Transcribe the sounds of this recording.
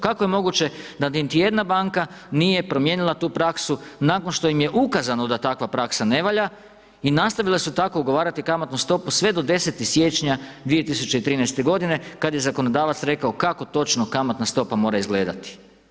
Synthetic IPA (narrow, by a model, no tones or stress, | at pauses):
kako̞je̞mo̞ɡut͡ɕe̞d̪anint̪ije̞d̪nabaːŋkanije̞pɾo̞mje̞ːnilˠat̪uːpɾaksunako̞nʃt̪o̞jimje̞ʔukazanod̪at̪akʋapɾaksane̞ʋaʎa | inast̪aʋilˠasut̪ako̞uɡo̞ʋaːɾat̪ikamat̪nust̪o̞pusʋe̞d̪o̞d̪e̞set̪isje̞ːt͡ʃɲad̪ʋije̞t̪isut͡ʃeit̪ɾiːnɛjst̪e̞ɡo̞d̪ine̞kad̪aje̞zako̞no̞d̪aːʋat̪sɾe̞kao̞kako̞t̪o̞t͡ʃnokamat̪nast̪o̞pamo̞ːɾaizɡle̞ːd̪a̰t̪i̥